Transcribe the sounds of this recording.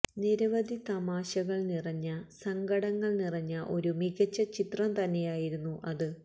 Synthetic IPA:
niɾɐʋɐd̪ʱit̪ɐmaːɕɐɣɐɭnirɐɲːɐsɐŋɡɐɽɐŋːɐɭnirɐɲːɐʔo̞ɾumiɣɐt͡ɕːɐt͡ɕit̪rɐmt̪ɐnːe̞jaːjiɾunːuʔɐðɨ

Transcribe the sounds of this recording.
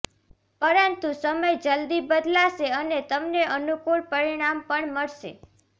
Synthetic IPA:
pəɾənt̪ũsəməjd͡ʒəld̪ibəd̪laʃeənet̪əmneʔənukuɭpəɾiɽ̃ampəɳməɭʃḛ

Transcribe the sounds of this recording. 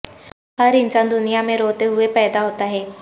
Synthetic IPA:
ɦəɾɪnsãnd̪ʊnijamẽɾoːt̪eɦʊepɛːd̪aɦoːt̪aɦɛː

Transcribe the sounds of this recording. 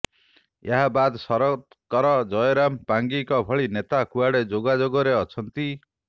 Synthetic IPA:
jeɦabad̪sʌɾɔt̪ | kɔɾɔd͡ʒɔjɔɾampaŋɡikɔbʱɔɭinet̪akuaɽed͡ʒoɡad͡ʒoɡɔɾeʌt͡ʃʰʌnt̪i

